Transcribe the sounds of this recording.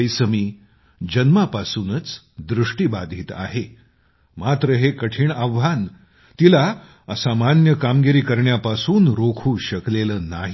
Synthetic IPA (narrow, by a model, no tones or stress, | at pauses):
əjsəmiː | d͡ʑənmapasuːnət͡s | d̪ɾuʂʈibad̪ʱiːt̪a̰ɦe | mat̪ɾəɦekəʈʰiːɳaʋʋan | t̪ila | əsamanjəkamɡiɾiːkəɾɳjapasuːnɾokʰuːɕəkleləːna̰ɦi